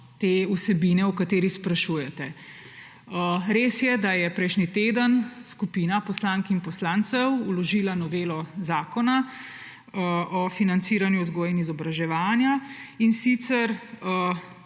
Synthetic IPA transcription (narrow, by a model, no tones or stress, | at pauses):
t̪eːusɛbiːnɛukat̪eːɾixspɾaʃuːjɛt̪ɛ | əɾeːsjɛd̪ajɛpɾɛjʃnit̪eːd̪ənskupinapɔslaŋkinpɔslaːnt̪sɛwulɔʒiːlanɔʋeːlɔzaːkɔna | ʔɔfinant̪siːɾanjuzɡoːjinizɔbɾaʒɛʋaːnjainsit̪sɛɾ